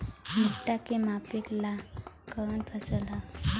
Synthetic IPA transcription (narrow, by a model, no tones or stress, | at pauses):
muʈakemapiklakənpʰəsəla